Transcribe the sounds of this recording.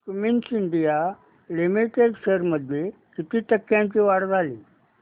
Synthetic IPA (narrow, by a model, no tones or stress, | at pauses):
kuminsind̪ija | limiʈeɖseɾməd̪ʱje | kit̪iːt̪əkːjãɲt͡ɕiːʋaɽd͡zʱaliː